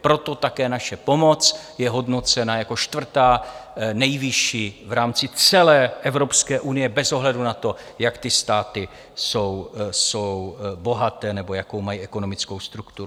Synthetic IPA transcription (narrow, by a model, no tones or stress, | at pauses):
pɾo̞t̪o̞t̪akɛːnaʃɛpo̞mo̞t͡sjɛɦo̞dno̞t͡sɛnajako̞ʃt̪vr̩t̪aːnɛjvɪʃiːvɾaːmt͡sɪt͡sɛlɛːʔɛvɾo̞pskɛːʔunɪjɛbɛzo̞ɦlɛdunat̪o̞ | jakt̪ɪst̪aːt̪ɪ | so̞wsowbo̞ɦat̪ɛːnɛbo̞jakowmajiːʔɛko̞no̞mɪt͡sko̞wst̪ɾukt̪uɾu